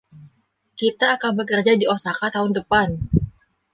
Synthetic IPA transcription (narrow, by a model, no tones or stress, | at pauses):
kit̪aːkanbəkərd͡ʒadiosakat̪aɦʊndəpan